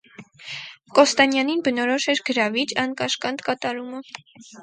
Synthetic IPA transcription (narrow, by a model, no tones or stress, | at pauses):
kɔst̪ɑnjɑninbənɔɾɔʃɛɾɡəɾɑvit͡ʃɑnkɑʃkɑnt̪kɑt̪ɑɾumə